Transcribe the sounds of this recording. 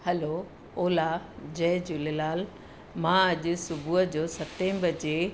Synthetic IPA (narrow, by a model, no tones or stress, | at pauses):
hɐlo | oːlad͡ʑɛːd͡ʑulelaːl | mãɐʄʊ̆sʊbʱuɦəd͡ʑoːsɐt̪ẽmbɐd͡ʑe